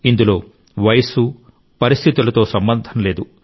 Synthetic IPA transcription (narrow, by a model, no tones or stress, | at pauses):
ind̪ulo̞ː | ʋɐjɐsu | pɐɾist̪ʰit̪ulɐt̪o̞ːsɐmbɐnd̪ʱɐnle̞ːd̪u